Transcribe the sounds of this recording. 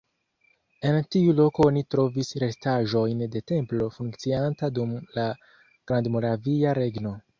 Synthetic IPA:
e̞ntiulo̞koonitɾo̞visɾe̞staʒo̞jnde̞te̞mplo̞fuŋkt͡siantadumla | ɡ̥ɾandmo̞ɾaviaɾe̞ɡno̞

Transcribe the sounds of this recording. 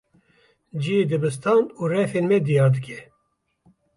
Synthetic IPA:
d͡ʒied̪ɨbɨst̪ʰɑːnuːrɛfeːnmɛd̪ijɑːɾd̪ɨkʲʰɛ

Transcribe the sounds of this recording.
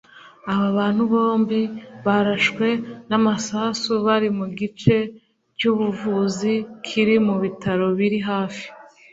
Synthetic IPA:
aβaβaːn̥huβo̞ːmbiβaɾaʃkwe̞namasasuβaɾimuɡit͡ʃe̞ | cuːβuvuzikʰiɾimuβitʰaɾo̞βiɾiɦaːfi̥

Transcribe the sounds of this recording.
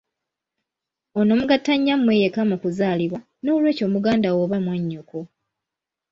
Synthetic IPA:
o̞no̞muɡatːaɲːamwe̞jekamokuzaːliβwa | no̞ːlwe̞ːco̞ːmuɡaːndawoβamwaɲːuko

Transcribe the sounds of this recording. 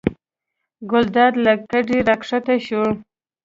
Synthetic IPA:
ɡʊld̪ɑd̪lakaɖiɾakʂat̪aʃu

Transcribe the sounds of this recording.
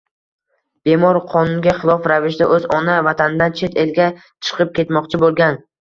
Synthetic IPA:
b̥e̞mɒɾqʰɒnʊnɡʲaχɪlˠɒfɾavɪʃd̪aʔɵzɒnavat̪ʰanɪd̪ant͡ʃʰe̞t̪elɡʲa | t͡ʃʰɨ̥qɨp̚kʲʰe̞t̪mɒqt͡ʃʰɪbolˠɡʲan

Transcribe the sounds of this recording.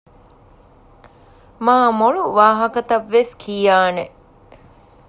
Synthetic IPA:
maːmoɭuʋaːɦɐkɐt̪ɐʋːeskʰijaːne

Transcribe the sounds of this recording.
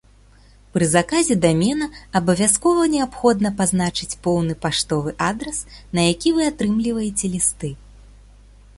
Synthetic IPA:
pɾɨzakazʲɛd̪amʲɛnɐɐbɐvʲaskɔvɐnʲɛapxɔd̪nɐpaznat͡ʂɨt͡sʲpɔwnɨpaʂt̪ɔvɨʔad̪ɾɐsnɐjakʲivɨat̪ɾɨmlʲivɐjɛt͡sʲɛlʲist̪ɨ

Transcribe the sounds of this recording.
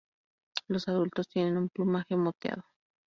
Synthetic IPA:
losaðult̪ost̪jenenumplumaxemːot̪ja̰ðo

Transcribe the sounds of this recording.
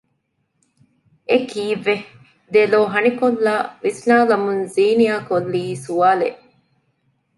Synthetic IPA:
ekiːʋːe | d̪eloːɦɐnikolːaːʋisnaːlɐmunziːnijaːkolːiːsuaːleʔ

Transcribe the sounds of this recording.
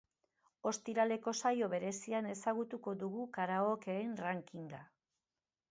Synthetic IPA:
o̞st̪iɾale̞ko̞sajo̞βe̞ɾe̞siane̞saɣ̞ut̪uko̞ðuɣukaɾaokeːnraŋkiŋɡa

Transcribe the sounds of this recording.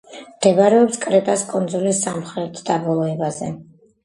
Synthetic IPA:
md̪̥ɛbaɾɛɔpskʼɾɛt̪ʼaskʼɔnzɔlisamχɾɛt̪ʰd̪abɔlˠɔɛbazɛ̰

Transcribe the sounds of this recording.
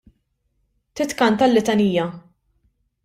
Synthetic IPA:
t̪ɪt̪kɐnt̪ɐlːɪt̪ɐniːjɐ

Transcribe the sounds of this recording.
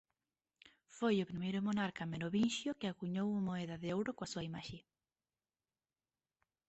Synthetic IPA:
fojʊpɾimejɾomonaɾkameɾoβinʃjokeaɣuɲowumoeðaðɪowɾokoasuaimaʃe

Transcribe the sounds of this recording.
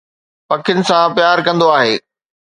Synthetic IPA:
pɐkʰɪʊnɪ̆sãpjaːɾkɐ̃nd̪oaːɦeː

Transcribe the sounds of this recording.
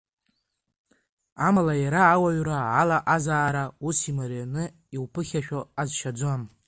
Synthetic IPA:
amalajaɾaːwaɥraalaʔazaːɾausimaɾanɨ | iwpʰɨχʲaʃᶣoazʃad͡zam

